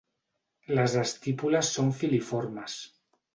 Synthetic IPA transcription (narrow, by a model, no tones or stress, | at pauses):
lazðast̪ipulasːoɱfilifoɾmas